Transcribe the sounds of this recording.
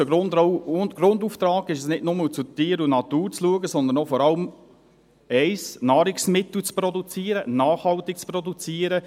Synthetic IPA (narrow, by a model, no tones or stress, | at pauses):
əɡɾʊndoɡɾʊnd̪uft̪ɾɑːɡɪʃɛsnɪtnʊmət͡sut̪iːəɾunɑt̪uːɾt͡sluəɡəsɔnd̪ənofɔɾɑlm | ɛɪsnɑːɾɪksmɪt̪l̩t͡spɾɔd̪ut͡siːəɾənɑːχhɑlt̪ɪk̚t͡spɾɔd̪ut͡siːəɾə